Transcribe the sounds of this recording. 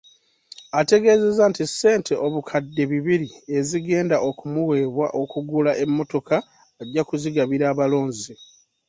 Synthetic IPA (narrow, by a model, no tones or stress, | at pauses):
ate̞ɡe̞ze̞zantisːe̞ːntʰe̞ʔo̞βukʰadːe̞βiβiɾie̞ziɡe̞ːndaʔo̞kumuwe̞ːβwa̰ʔokuɡulaʔe̞mːo̞to̞kaː | ɟːakuziɡaβiɾaːβalo̞ːɲzi